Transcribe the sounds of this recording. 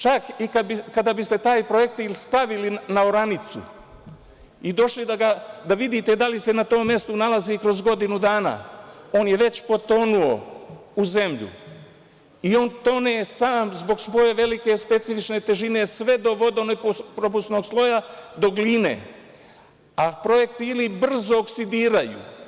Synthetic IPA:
t͡ʃakikabikad̪abist̪e̞t̪aːjpɾo̞ek̚t̪ilst̪aʋilinaoɾanit̪sṵ | id̪o̞ʃlid̪aɡad̪aʋid̪it̪ed̪alise̞nat̪o̞ːmːje̞st̪unalazikɾo̞zɡo̞d̪inud̪aːna̰ːo̞ːnje̞ʋe̞t͡ɕpo̞t̪o̞nuo̞uze̞mʎṵ | io̞ːnt̪o̞nejesaːmzbo̞ɡsʋo̞je̞ʋe̞like̞spe̞t̪sifit͡ʃne̞t̪e̞ʒine̞sʋe̞d̪o̞ʋo̞d̪o̞neppɾo̞p̬ust̪no̞ːɡslˠo̞jad̪o̞ɡliːne̞̰ː | apɾo̞je̞kt̪iilibr̩zo̞ːksid̪iːɾajṵ

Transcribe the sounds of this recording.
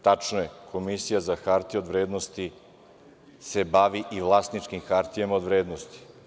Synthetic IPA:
t̪at͡ʂnojekʰo̞misijazaxaɾt̪io̞d̪ʋɾeːd̪nost̪i | se̞baʋiʔiʋlˠaːst̪nit͡ʂkimxaɾt̪ijemaod̪ʋɾeːd̪nost̪i̥

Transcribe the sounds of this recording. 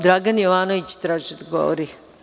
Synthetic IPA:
d̪ɾaɡɐnjɔʋaːnoit͡ʃi̥t̪ɾat͡ʃit̪ɡɔ̰ʋɾi

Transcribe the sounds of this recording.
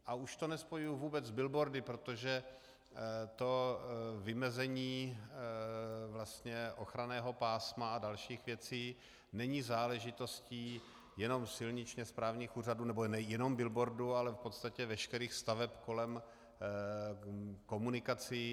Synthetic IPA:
ʔauʃt̪o̞nɛspojujuvuːbɛd͡zzbɪlbo̞ɾdɪpɾo̞t̪o̞ʒɛ | t̪o̞vɪmɛzɛɲiː | vlast̪ɲɛʔo̞xɾanɛːɦo̞paːsmaadalʃiːxvjɛt͡siː | nɛɲiːzaːlɛʒɪt̪o̞sciː | jɛno̞msɪlɲɪt͡ʃɲɛspɾaːvɲiːxuːraduːnɛbonɛjɛno̞mbɪlbo̞ɾdualɛfpot̪st̪acɛvɛʃkɛɾiːxst̪avɛpko̞lɛm | ko̞munɪkat͡sɪ

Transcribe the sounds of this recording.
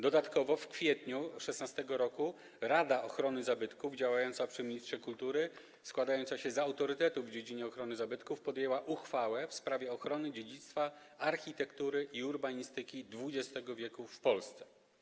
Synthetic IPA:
d̪ɔd̪at̪kɔvɔfkfʲjɛt̪ɲuʂɛsnast̪ɛɡɔɾɔku | ɾad̪aʔɔxɾɔnɘzabɘt̪kuvd͡ʑawajɔnt̪sapʂɘmʲiɲistʂɛkult̪uɾɘ | skwad̪ajɔnt̪saɕɛzaawt̪ɔɾɘt̪ɛt̪uvːd͡ʑed͡ʑiɲɛɔxɾɔnɘzabɘt̪kufpɔd̪jɛwaʔuxfawɛfspɾavʲjɛɔxɾɔnɘd͡ʑed͡ʑit̪st̪fa | aɾxʲit̪ɛkt̪uɾɘʔiuɾbaɲist̪ɘkʲid̪vud͡ʑɛst̪ɛɡɔvʲjɛkufpɔlst̪sɛ̥

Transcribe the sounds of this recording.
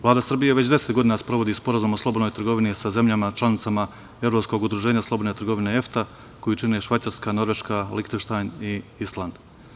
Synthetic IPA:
ʋlaːd̪asr̩bije̞ʋe̞t͡ɕd̪e̞se̞t̪ɡo̞d̪inaspɾo̞ʋo̞d̪ispo̞ɾazumoslˠobod̪nojt̪r̩ɡo̞ʋinisaze̞mʎʲamat͡ʃlˠanit̪sama | e̞ʋɾo̞psko̞ɡud̪ɾuʒe̞ːɲaslˠo̞bo̞d̪net̪ɾ̩ɡo̞ʋineeft̪a | ko̞jit͡ʃinieʃʋajt̪saɾskano̞ɾʋe̞ʃkalikt̪eʃt̪ajniislˠand̪

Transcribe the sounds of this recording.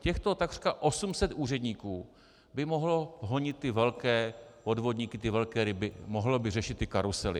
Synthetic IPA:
cɛxt̪o̞t̪aɡr̥kaʔo̞sumsɛt̪ʔuːrɛdɲiːkuː | bɪmo̞ɦloɦoɲɪt̪ːɪvɛlkɛːpo̞dvo̞dɲiːkɪt̪ɪvɛlkɛːɾɪbɪmoɦlobɪrɛʃɪt̪ːɪkaɾusɛlɪ̰

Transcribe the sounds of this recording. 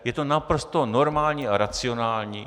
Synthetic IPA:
jɛt̪onapɾost̪o̞noɾmaːlɲiːaɾat͡sɪonaːlɲiː

